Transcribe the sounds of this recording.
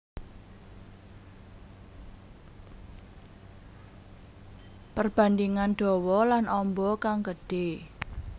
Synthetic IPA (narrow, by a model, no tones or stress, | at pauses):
pərb̥a̤nd̪iŋanɖ̪̥ɔ̤wɔlanʔɔmbɔkaŋkəɖ̥e